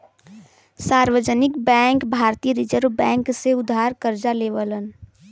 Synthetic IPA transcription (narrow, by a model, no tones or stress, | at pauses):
saːɾʋəd͡ʒənɪkbɛ̃ːŋkbʱaːɾt̪iːəɾɪd͡ʒəɾʋbɛ̃ːŋkseʊd̪ʱːaːɾkəɾd͡ʒaleːʋələn